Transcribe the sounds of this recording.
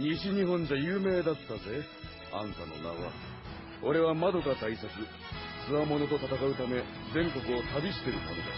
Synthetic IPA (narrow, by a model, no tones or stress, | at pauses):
ɲiɕiɲ̟iɦõ̞ɲ̟d͡ʑajɯːme̞ːd̪at̪ːaze̞ | ã̰ŋsano̞̰na̰βa̰ | o̞ɾe̞βamad̪o̞kat̪aisakt͡sɨ | t͡sɨβamo̞no̞t̪o̞t̪at̪akaɯ̟t̪ame̞ | zẽ̞ŋko̞kɯ̟o̞t̪abʲiɕi̥t̪e̞ɾɯ̟mo̰no̰d̪a̰